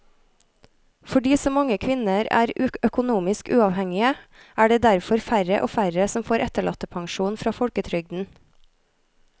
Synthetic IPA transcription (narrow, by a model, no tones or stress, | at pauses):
fɔɖiːsɔmɑŋəkʰʋɪnəɾæ̰ːɾʉœkʊnuːmɪskʉːɑʋhɛŋɪə | ʔæːɖeːd̪æɾfɔɾfæɾə̰ʔo̰ːfæɾəsɔmfoːɾʔɛt̪əɭɑt̪əpʰɑŋʃuːnfɾɑːfɔɽkət̪ʰɾʏɡ̚d̪n̩